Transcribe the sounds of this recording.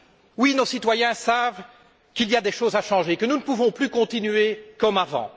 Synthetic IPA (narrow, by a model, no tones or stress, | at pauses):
winosit̪wajɛ̃sav | kʲilijad̪eʃozaʃɑ̃ʒekənunəpuvɔ̃plykɔ̃t̪inɥekɔmavɑ̰̃